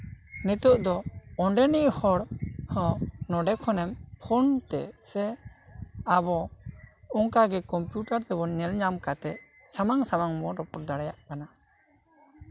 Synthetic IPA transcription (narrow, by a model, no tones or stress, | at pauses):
nit̪uʔd̪ɔɔɳɖɛniʔhɔɽhɔ̃nɔɖɛkʰɔnɛmpʰɔnt̪ɛ̰sɛ | abɔ | ɔŋkaɡɛkɔmpjuʈaɾt̪ɛbɔnɛlɲamkat̪ɛʔ | samaŋsamaŋmɔɾɔpɔɾd̪aɽajaʔkana